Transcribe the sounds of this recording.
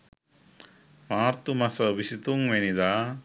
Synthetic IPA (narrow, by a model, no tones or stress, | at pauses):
maːɾt̪umɐsɐʋisit̪uŋʋenid̪aː